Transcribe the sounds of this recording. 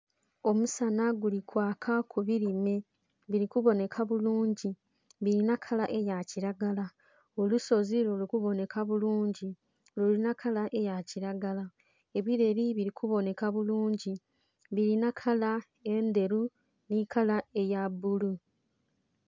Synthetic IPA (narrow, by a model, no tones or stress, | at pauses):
o̞musanaɡulikwaːkʰakʰuβiɾime̞ | βiɾikuβo̞ne̞kʰaβuluːɲɟi | βiɾinakʰalaʔe̞jaciɾaɡala | oluso̞ziɾolukuβo̞ne̞kʰaβuluːɲɟi | lulinakʰalaʔe̞jaciɾaɡala | eβiɾe̞ɾiβiɾikʰuβo̞ne̞kaβuluːɲɟi | βiɾinakʰala | e̞nd̪e̞ɾu | nikʰalae̞jabːulu